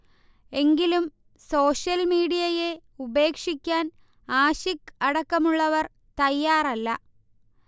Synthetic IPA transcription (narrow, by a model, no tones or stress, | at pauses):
e̞ŋɡilum | so̞ːʂjɐlmiːɽijɐje̞ | ube̞ːkʂikʲːaːn | aːɕikɐɽɐkːɐmuɭːɐʋɐr | t̪ɐjːaːrɐlːɐ